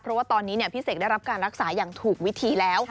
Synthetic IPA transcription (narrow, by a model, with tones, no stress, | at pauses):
pʰɾɔ˦waː˥˩t̪ɔː˧nːiː˦˥ni˥˩pʰi˥˩seː˨˩a˥˩jɾa˦˥p̚kaː˧nɾa˦˥k̚saː˩˦jaː˨˩ŋt̪ʰuː˨˩k̚wi˦˥t̪ʰiː˧lɛː˦˥w